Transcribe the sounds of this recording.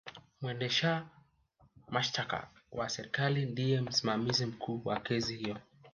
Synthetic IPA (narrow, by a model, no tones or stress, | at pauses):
mwɛndɛʃa | maʃtaka̰wʔasɛɾikalindijɛm̩simamizim̩kʰuːwakɛzihijɔ